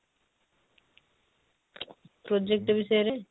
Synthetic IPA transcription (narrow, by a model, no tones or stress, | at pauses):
pɾod͡ʑek̚ʈebiʃɔeɾe